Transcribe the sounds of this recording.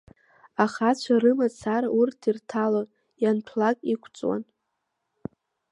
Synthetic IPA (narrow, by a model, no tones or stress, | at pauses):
aχat͡ɕʷʰaɾɨmat͡sʰaɾaurtʰirtʰalon | janpʰlakʼikʷʰt͡sʼwa̰n